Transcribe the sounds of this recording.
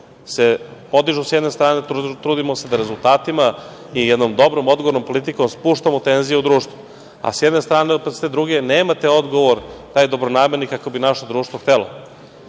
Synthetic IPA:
sepo̞d̪iʒusjɛd̪nest̪ɾaːnet̪ɾuːd̪imosed̪aɾe̞zulˠt̪aːt̪ima | ijɛd̪no̞md̪o̞bɾomo̞d̪ɡoʋoɾnompo̞lˠit̪̬iko̞mspuʃt̪amot̪enzijeud̪ɾuːʃt̪ʋu | a̰sjɛd̪nest̪ɾaːnepst̪ed̪ɾuɡe̞neːmat̪eo̞d̪ɡo̞ʋoɾt̪aːjd̪o̞bɾonaːmeɾnikakobinaʃod̪ɾuːʃt̪voxt̪elo̰

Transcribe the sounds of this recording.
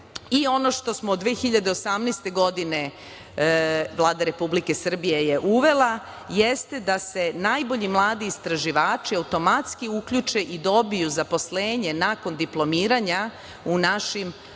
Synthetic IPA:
io̞no̞ʃt̪o̞smoːd̪ʋeːxiʎad̪eosamnest̪e̞ɡo̞d̪ine̞ | ʋlˠaːd̪aɾe̞publike̞sr̩bijejeʔuʋe̞lˠa | jest̪e̞d̪ase̞najbo̞ʎimlˠaːd̪iːst̪ɾaʒiʋaːt͡ʃiaut̪o̞mat̪skiukʎut͡ʃeʔid̪o̞bijuzapo̞sleːɲe̞nako̞nd̪iplˠo̞miːɾaɲa | unaʃim

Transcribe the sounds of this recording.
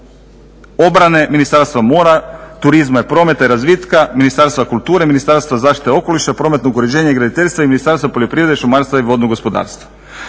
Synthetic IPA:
o̞bɾane̞minist̪aɾst̪ʋamoːɾat̪uɾizmajepɾo̞ːme̞t̪aiɾazʋit̪kaminist̪aɾst̪vakulˠt̪uːɾeminist̪aɾst̪vʋazaːʃt̪i̥t̪eo̞ko̞liʃapɾo̞ːmet̪noɡuɾed͡ʑe̞ːɲaiɡɾad̪it̪eʎʲst̪ʋaiminist̪aɾst̪vapoʎʲo̞pɾiʋɾd̪eʃumaɾst̪ʋaiʋo̞d̪noɡo̞spo̞d̪a̰ːɾst̪ʋa

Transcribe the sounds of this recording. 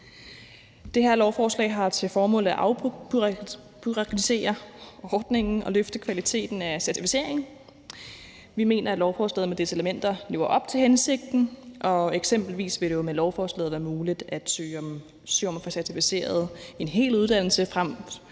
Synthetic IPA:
d̥eɦæɐ̰lɒʊfɒːslɛ̰ːɦɑ̈t͡sʰe̝lfɒːmɔ̰̽ːlð̩ˠæʔɑ̈ʊ | pʰyʁɑkʰulise̝̰ːɐɒːd̥ne̝ŋn̩ɒ̽løfd̥əkʰʋælit͡sʰe̝̰ːd̥n̩æsæɐt͡sʰifi̥se̝̰ɐ̰e̝ŋ̩ | ʋime̝̰ːnʔɐæd̥lɒʊfɒːslɛ̰ð̩ˠmed̥e̝səeləmen̰d̥ɐle̝̰ʊɐʔɒ̽b̥̚t͡sʰe̝lhense̝ɡ̥̚d̥n̩ʔɒ̽eɡ̥sem̰b̥l̩ʋḭːsʋe̝d̥e̝jomelɒʊfɒːslɛ̰ːð̩ˠʋæːɐmuːlid̥æd̥sø̰ːɒ̽m | syɐ̰mfɒ̽sæɐt͡sʰifise̝̰ːɐð̞ˠe̝nɦe̝̰ːluð̞ˠd̥æn̰l̩səfʁam̰

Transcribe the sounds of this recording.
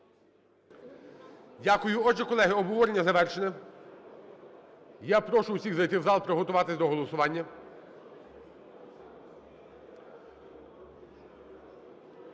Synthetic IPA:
dʲakʊjʊɔʒɛkɔlˠɛɦɪɔbɦɔʋɔɾenʲːɐzɐʋɛrʃenɛ | japɾɔʃʊwsʲiɣzɐjt̪ɪwzɑlˠpɾɔɦɔt̪ʊʋɑt̪ɪsʲd̪ɔɦɔlˠɔsʊʋɑnʲːɐ

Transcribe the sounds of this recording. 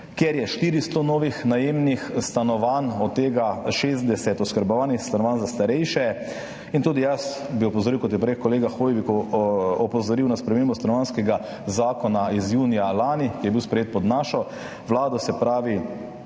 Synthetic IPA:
kjɛɾjɛʃt̪iːɾist̪ɔnoːʋixnajeːmnixst̪anɔʋanɔt̪ːeːɡaʃeːzd̪ɛsɛt̪ɔskəɾbɔʋaːnixst̪anɔʋaːnzast̪aɾɛjʃɛ | int̪uːd̪ijas | biɔpɔzɔɾiwkɔt̪jɛpɾekkːɔleːɡaxoːjʋikuɔpɔzɔɾiwnaspɾɛmeːmbɔst̪anɔʋanskɛɡa | zaːkɔnaizjuːnijalaːnikijɛbiwspɾɛjeːt̪̚pɔd̪naːʃɔ | ʋlaːd̪ɔsɛpɾaːʋi

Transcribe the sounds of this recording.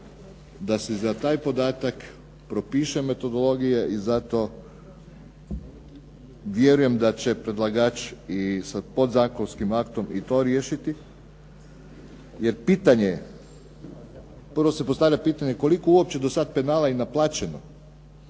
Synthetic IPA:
d̪asezat̪aːjpo̞d̪aːt̪ak | pɾo̞piːʃeme̞t̪o̞d̪o̞lˠo̞ɡijeʔizat̪o̞ | ʋjeɾuje̞md̪at͡ɕe̞pɾed̪lˠaɡat͡ʃisapo̞d̪zaːkonskimakt̪o̞mit̪o̞ɾjeːʃit̪i | je̞ɾpiːt̪aɲe | pr̩ʋo̞sepost̪aʋʎʲapiːt̪aɲe̞ko̞likouop̚t͡ɕe̞d̪osad̪̚pe̞naːlainaplˠaːt͡ɕe̞no̰

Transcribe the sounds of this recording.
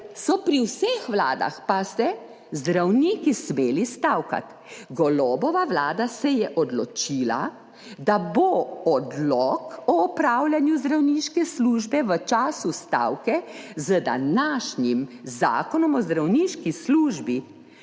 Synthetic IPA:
sɔpɾiwsexʋla̰ːd̪a̰xpasɛ | zd̪ɾawniːkismeːlist̪awka̰t̪ | ɡɔlɔːbɔʋaʋlaːd̪asɛjɛʔɔd̪lɔt͡ʃiːla̰ | d̪aboɔd̪lɔkɔːpɾaːwlʲjanjuzd̪ɾawniʃkɛsluːʒbɛʋət͡ʃaːsust̪a̰wkɛzəd̪a̰naːʃɲimza̰ːkɔnɔmɔzd̪ɾawniːʃkisluːʒbi

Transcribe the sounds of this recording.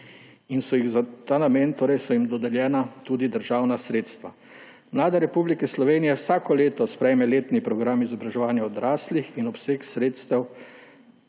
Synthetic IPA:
insɔjiɣzat̪aːnameːnt̪oːɾɛjsɔjimd̪ɔd̪ɛljɛːnat̪uːd̪id̪əɾʒaːwnasɾeːt̪st̪ʋa | mlaːd̪aɾɛpublikɛslɔʋeːnijɛwsaːkɔleːt̪ɔspɾɛjmɛleːt̪nipɾɔɡɾamizɔbɾaʒɛʋaːnjaɔd̪ɾaːslixinɔpseːksɾeːt̪st̪ɛw

